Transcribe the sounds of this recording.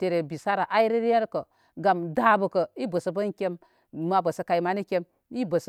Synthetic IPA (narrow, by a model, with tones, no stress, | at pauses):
te˨ɾe˨bi˨sa˦ɾa˨ʔa˦i˦ɾi˦ɾje˦ɾkə˨ | ɡa˨mda˦bə˨kə˨i˦bə˨sə˨bə˦nkʲe˦mː | a˨bə˨sə˨ka˨ji˦ma˦ni˦kʲe˦m | i˦bə˨s